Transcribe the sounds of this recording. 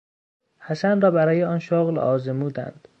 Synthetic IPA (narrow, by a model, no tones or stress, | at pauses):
hæsænrɒːbæɾɒːjeɒːnʃoɣlɒ̰ːzemuːd̪æ̰nd̪̥